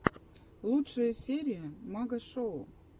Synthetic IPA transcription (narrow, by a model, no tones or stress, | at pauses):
lˠutʂəjəsʲeɾʲɪjəmaɡəʂou